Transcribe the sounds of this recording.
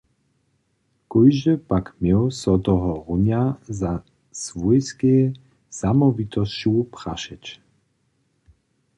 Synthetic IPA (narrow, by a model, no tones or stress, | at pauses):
kɔjʒəpakmjɛwsɔt̪ɔɦɔʁuɲaza | svujskɛː | samɔvit̪ɔst͡ɕupra̰ʃɛt͡ʃ